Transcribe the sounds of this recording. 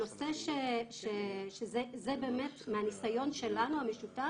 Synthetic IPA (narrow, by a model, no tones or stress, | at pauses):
oseʃeʃeʃezezebe̞ːmetmeanisajo̞nʃelanuhameʃuta